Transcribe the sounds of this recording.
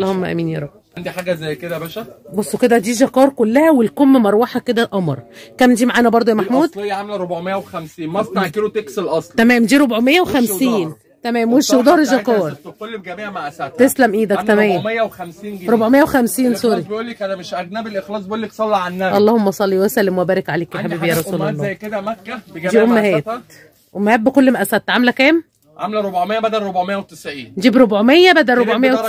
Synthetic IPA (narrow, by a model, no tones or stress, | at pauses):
ʔɑlːˤɑːhomːæʔæ̰miːnjɑ̰ːɾˤɑb | and̪iħaːɡæzæjked̪æbæʃæbosˤːoked̪æd̪iːʒɑkɑːɾˤkolːæhæwelkomːmɑɾˤwɑħɑked̪æʔɑmɑ̰ɾˤkæːmd̪iːmaʕaːnæbɑɾˤd̪ˤojæmaħmuːd̪ljːʕamelɾobʕomejːæwexæmsiːnmæst̪kelot̪ekselʔɑsˤlt̪æmæːmd̪iːɾobʕomejːæwexæmsiːn | t̪æmæːmweʃewd̪ɑːɾˤeʒɑkɑːɾˤkolːbɡæmiːʕmæʔæsæt̪t̪eslæmʔiːd̪æktt̪æmejːæmejːæwxæmsiːnɡɾobʕomejːæwexæmsiːnsoɾibʔuːlːekʔænæmeʃʔæɡnæbelʔexlɑːsˤbeʔuːlːeksˤɑlːɑʕanːæʔɑlˤːɑːhomːɑsˤɑlːiwæsælːemwæbæːɾekʕaleːkjaħabiːbjæːɾˤɑssuːlɑlˤːæjked̪æmækːæbdiːʔomːæhæːt̪ | ʔomːhæːbekolːmæʔæsæt̪ːʕamelækæːm | ʕamlæɾˤobʕmejːæbæd̪ælɾobʕmejːæwet̪esʕiːnnd͡ʒ̪iːbɾobʕomejːæbæd̪ælɾobomejæw